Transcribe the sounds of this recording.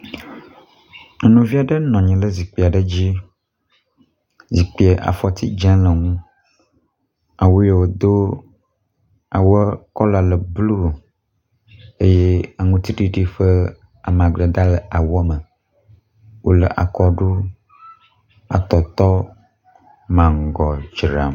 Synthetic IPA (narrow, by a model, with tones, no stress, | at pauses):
nũ˨vi˦a˨ɖə˦nɔ̃˨ɲɛ̃˨lə˦zi˨k͡pi˨a˨ɖə˦d͡ʑi˦ | zi˨k͡pi˨e˨ʔa̰˨fɔ˨t̪i˦d͡ʒã˦lə˨ŋũ˦ | a˨wo˦je˦wo˨d̪o˦ | a˨wə˦kɔ˦la˨lə˨blu˦˨ | e˦je˦a˨ŋũ˦t̪i˦ɖi˦ɖi˦ɸə˦ | a˨m˨ã˨ɡ͡blə˨d̪a˦lə˨ʔa˨wɔ˦mə˨ | wo˦lə̰˨ʔa̰˨kɔ˦ɖu˦ | a̰˨t̪ɔ˨t̪ɔ˦ | mã˨ŋ˨ɡɔ˨d͡ʒɾa̰˨m